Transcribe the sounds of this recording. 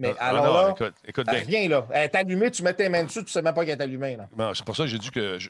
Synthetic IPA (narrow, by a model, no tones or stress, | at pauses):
mɛʔalɔʁlɔkʊt̪ekʊt̪̚ɛvjɛ̃lɔɛt̪alymet̪ymɛt̪ːẽmɛ̃d̪syt̪y̥sɛmãp̬ɔkɛt̪alymɛ̃lɔñse̥puʁsɔkʒezykʲəʒ